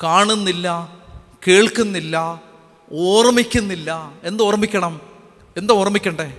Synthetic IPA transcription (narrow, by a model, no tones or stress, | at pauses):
kaːɳunːilːɐ | ke̞ːɭkunːilːɐ | oːrmikʲːunːilːɐe̞nd̪o̞ːrɐmikʲːɐɳɐm | e̞nd̪ɐoːrɐmikʲːɐɳɖe